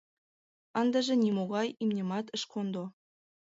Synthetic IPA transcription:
ɑnd̪ɑʒĕnʲimoɣɑjimnʲemɑt̪ə̆ʃkʰond̪o

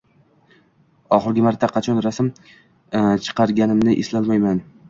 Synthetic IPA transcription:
ɒχɨɾɡʲɪmaɾt̪ʰːaqʰɑt͡ʃʰɒnɾasɪm | t͡ʃʰɨ̥qʰɑɾɡʲanɪmnɪʔeslalmajman

